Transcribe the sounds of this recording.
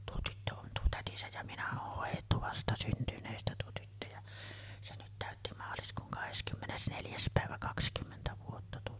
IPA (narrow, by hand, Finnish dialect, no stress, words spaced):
tuo tytːø on tuo tætisæj jɑ minæ oh hoˑijˑetːu ʋɑstɑsyntynˑeːstæ tuo tytːø jɑ se nyt tæˑøtːi mɑːliskuːŋ kɑheskymːes neljæs pæˑeʋæ kɑkskymːentæ ʋuotːɑ tuo